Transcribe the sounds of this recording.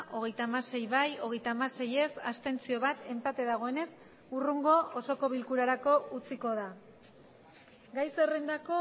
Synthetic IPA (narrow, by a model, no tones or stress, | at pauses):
ʔo̞ɣ̞e̞jt̪aːmase̞jβajo̞ɣ̞e̞jt̪aːmase̞je̞sast̪e̞nt͡sio̞βat̪e̞mpat̪e̞ðaɣ̞o̞e̞ne̞s | uruŋɡo̞oso̞ko̞βilkuɾaɾako̞ut͡siko̞ða | ɡajso̞rend̪ako̞